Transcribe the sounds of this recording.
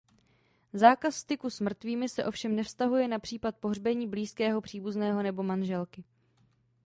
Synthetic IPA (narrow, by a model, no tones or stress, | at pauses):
zaːkasːt̪ɪkusmr̩t̪viːmɪsɛʔo̞fʃɛmnɛfst̪aɦujɛnapr̝̥iːplat̪̚po̞ɦrbɛɲiːbliːskɛːɦo̞pr̝̥iːbuznɛːɦo̞nɛbo̞manʒɛlkɪ